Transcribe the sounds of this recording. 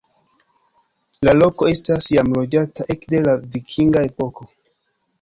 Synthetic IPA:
lalo̞ko̞e̞stasjamlo̞d͡ʒataʔe̞kde̞lavikʰiŋɡae̞po̞ko̞

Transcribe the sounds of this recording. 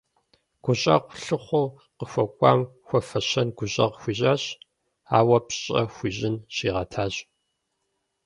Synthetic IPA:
ɡ̥ʷʊɕʼɐ̰qʷʊɬɨχʷʊ | qəxʷɔkʷʼɑ̰ːmxʷɔfɐɕɐnɡʷʊɕʼɐʁxʷiːʑaːɕ | a̰ːwɐpɕʼɐ̰xʷiːʑɪnɕiːʁɐtʰaːɕ

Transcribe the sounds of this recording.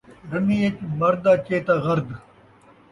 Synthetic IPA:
ɖɐniːet͡ʃmɐɾd̪aːt͡ʃeːt̪aːɣɐɾd̪

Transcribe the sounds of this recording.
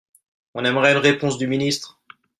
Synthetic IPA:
ɔ̃nɛmʁɛynʁepɔ̃sd̪yminist̪χ

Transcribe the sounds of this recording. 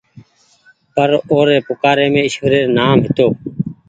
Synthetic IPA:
pəɾoːɾeːpʊkaːɾeːmẽːɪʃʋəɾeːɾnaːmɦɪt̪oː

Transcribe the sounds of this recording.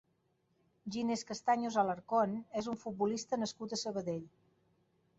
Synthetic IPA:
ʒineskəst̪aɲozaləɾkonɛzuɱfut̪̚bulist̪ənəskut̪əsəβ̞əðeʎ

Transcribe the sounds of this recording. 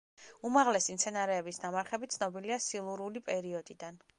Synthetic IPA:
umaʁlɛsimt̪sʰɛnaɾɛːbisnamaɾχɛbit̪sʰnɔbiliasilˠuɾulipʼɛɾiɔd̪id̪an

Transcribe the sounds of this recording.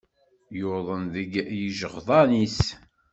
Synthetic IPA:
jʊðˤənðəɡjəʒəʁðˤɑnis

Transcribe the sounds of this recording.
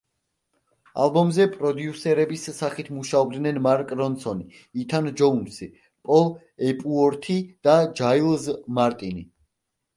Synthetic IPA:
a̰lˠbɔmzɛpʼɾɔd̪jusɛɾɛbisːaχit̪ʰmuʃaɔbd̪nɛnmaɾkʼɾɔnsɔniː | t̪ʰand͡ʒɔunsi | pʼɔlˠ | ɛpʼuɔɾt̪ʰid̪̥ad͡ʒailˠzmaɾt̪ʼini

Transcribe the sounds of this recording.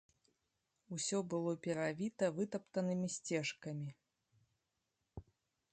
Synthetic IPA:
usʲɔbɨlˠɔpʲɛɾavʲit̪ɐvɨt̪ɐpt̪ɐnɨmʲisʲt͡sʲɛʂkɐmʲi

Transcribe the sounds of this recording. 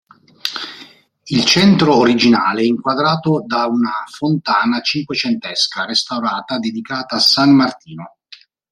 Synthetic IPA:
ilt͡ʃɛnt̪ɾoːɾid͡ʒinaːleɛiŋkwad̪ɾaːt̪od̪aunafont̪aːnat͡ʃiŋkwet͡ʃɛnt̪ɛskarest̪awɾaːt̪ad̪ed̪ikaːt̪aːsanmart̪iːno

